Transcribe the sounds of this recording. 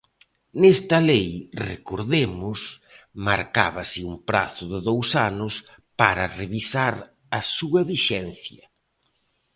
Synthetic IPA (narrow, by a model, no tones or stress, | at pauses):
nest̪ɐlejrḛkoɾðemʊs | ma̰ɾka̰βɐsɪumpɾa̰θʊðɪðowsanʊs | paɾɐreβisaɾ | ɐsuɐβiʃɛnθjɐ